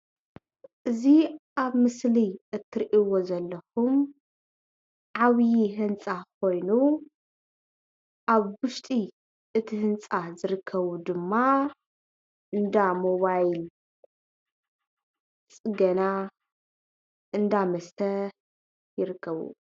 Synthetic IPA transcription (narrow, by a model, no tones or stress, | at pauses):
ʔɨziʔaβmɨsliʔɨt̪ʰːɨɾʔiwo̞zɐlːɐxum | ʕaβjiɦɨnt͡sʼak̚ʰo̞jnu | ʔaβwʊʃt̪ʼi | ʔɨt̪ʰihɨnt͡sʼazɨɾɨkʰːɐβud̪ɨmːa | ʔɨnd̪amoβajl | t͡sʼɨɡɐna | ɨnd̪amɐst̪ʰɐ | jɪɾɨkʰːɐβṵ